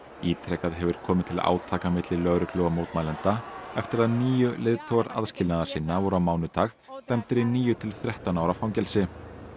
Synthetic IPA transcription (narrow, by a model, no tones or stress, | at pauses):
iːt̪ʰɾɛkaðɦɛvʏɾ̥kʰɔːmɪ̥t̪ʰɪla̰ːwt̪ʰaːkamɪt̪lɪlœɣɾʏklɔːɣamoːwt̪malɛnt̪aɛft̪ɪɾaðniːjʏlɪːðt̪ʰowɣaɾa̰ðscɪlnaðaɾ̥sɪnːavɔɾʏawmaːwnʏt̪ʰaːx | t̪ɛmt̪ɪɾɪniːjʏt̪ʰɪlθɾɛht̪anawɾafawŋcɛlsɪ